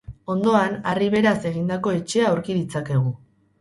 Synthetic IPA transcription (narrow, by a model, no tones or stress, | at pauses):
o̞nd̪o̞anariβ̞e̞ɾase̞ɣ̞ind̪ako̞e̞t͡ʃe̞aːwɾkiðit͡sake̞ɣ̞u